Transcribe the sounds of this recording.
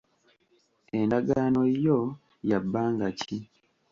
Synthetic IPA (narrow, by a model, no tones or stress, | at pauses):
endaɡaːno̞jo | jabːaːŋɡacʰi